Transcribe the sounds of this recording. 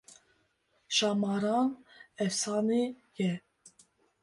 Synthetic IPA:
ʃɑmɑɾɑnɛfsɑni | jɛ

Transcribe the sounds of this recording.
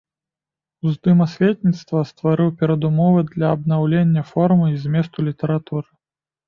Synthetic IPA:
uzd̪ɨmasʲvʲet̪̚ʲnʲit̪st̪vɐst̪vaɾɨwpʲɛɾɐd̪umɔvɨd̪lʲɐːbnawlʲenʲːɐfɔrmɨizʲmʲɛst̪ulʲit̪ɛɾat̪uɾɨ

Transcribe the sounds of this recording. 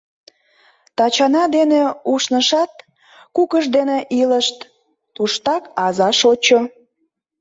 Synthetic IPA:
t̪ɑt͡ɕɑnɑd̪eneuʃnəʃɑt̪̚ | kukəʃd̪eneʔiləʃt̪ː | uʃt̪ɑkɑzɑʃot͡ɕo

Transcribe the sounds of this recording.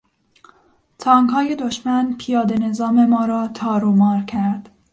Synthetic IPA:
t̪ʰɒːŋɡhɒːje̞d̪oʃmænpʰijɒːd̪ene̞zɒːme̞mɒːɾɒːt̪ʰɒːɾomɒːɾcʲʰæɾd̪̥

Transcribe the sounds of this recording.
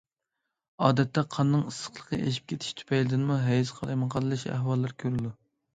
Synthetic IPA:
ɑːd̪ɛt̪ʰːɛqʰɑnːɨŋəsːə̥qlˠəqʰəʔḛʃ̬i̥p̚kʲʰet̪ʰɪ̥ʃt̪ʰy̥pʰɛjlɪd̪ɪnmuɦɛjsqʰɑlɑmɑqʰɑd̪ɨlˠɨʃæ̰hwɑlˠːɨɾkʲʰøɾd̪u

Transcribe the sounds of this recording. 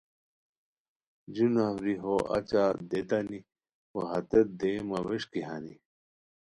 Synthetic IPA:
d͡ʑunafɾiɦoɐ̰t͡ɕad̪et̪ani | poɦɐt̪et̪̚d̪emɐweʂkiɦani

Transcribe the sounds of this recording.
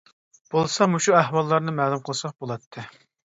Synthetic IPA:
b̥olˠsɑmuʃuæhwɑlˠːɑɾnɨmɛːlˠumqʰəlˠɨsɑq̚bolˠɑt̪ʰːɨ

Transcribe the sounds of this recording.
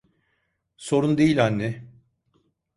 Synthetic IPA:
so̞ɾund̪ejilʲænːɛ

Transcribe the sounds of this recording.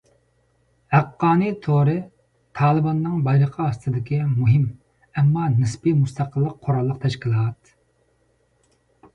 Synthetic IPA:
hæqːɑːnɨt̪ʰoɾɨ | t̪ʰɑːlˠɨbɑnːɨŋbɑjlˠəqʰɑɑst̪ɨd̪ɪkʲimuɦɪm | ɛmːɑnɨspimust̪ʰɑqəlˠːəqʰːoɾɑlˠːəq̚t̪ʰɛʃkʲilˠɑt̪

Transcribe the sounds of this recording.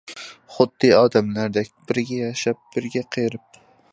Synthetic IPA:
χʊd̪ːiɒd̪amlaɾd̪akʲb̥ɪɾɡʲajaʃap̚b̥ɪɾɡʲaqʰɨɾɪp̚

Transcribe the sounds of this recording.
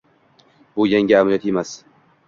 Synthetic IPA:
bʊjaŋɡʲaamaljɒt̪emas

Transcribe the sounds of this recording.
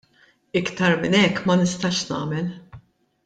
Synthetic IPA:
ɪkt̪ɐɾmɪnɛkːmɐnɪst̪ɐʃnɐ̰ːmɛl

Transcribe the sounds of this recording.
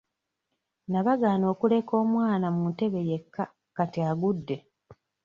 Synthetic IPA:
naβaɡaːno̞ːkule̞ko̞ːmwaːnamunte̞βe̞je̞kːa | katiaɡudːe̞

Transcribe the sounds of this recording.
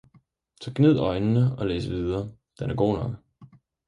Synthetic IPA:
t͡sʰɑɡ̥neð̞̰ˠɒɪnənəɒ̽leːsəʋið̞ˠɐː | d̥enæɐɡ̥o̝̰ːnɒɡ̥

